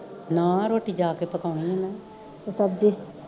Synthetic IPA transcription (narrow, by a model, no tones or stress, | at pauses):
nãːɾoːʈiːd͡ʒaːkepəkaːniɛ̃naː | ot̪abd̪e